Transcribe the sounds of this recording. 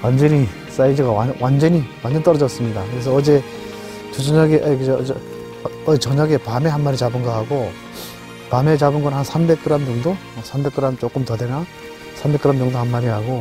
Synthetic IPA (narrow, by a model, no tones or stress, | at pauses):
wand͡ʑʌɲi | s͈aid͡ʑɯɡawawand͡ʑʌɲiwand͡ʑʌnt͈ʌɾʌd͡ʑʌs͈ɯmɲidakɯɾe̞s̬ʰʌːd͡ʑe̞ | t͡ɕod͡ʑʌɲaɡeʔkɯd͡ʑ | ʌt͡ɕʌɲaɡepame̞ɦanmaɾit͡ɕabɯnɡʌhaɡo | pame̞t͡ɕabɯnɡʌnɦansʰambe̞k͈ɯɾammoŋdo | ʌsʰambe̞k͈ɯɾamt͡ɕok͈ɯmtʌdena | sʰambe̞k͈ɯɾamːjʌŋdohanmaɾihaɡo